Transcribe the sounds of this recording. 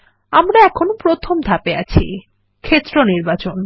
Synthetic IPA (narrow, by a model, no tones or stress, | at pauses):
amɾaɛkʰonpɾot̪ʰomd̪ʱapeat͡ɕʰḭ | kʰet̪ːɾoniɾbat͡ɕon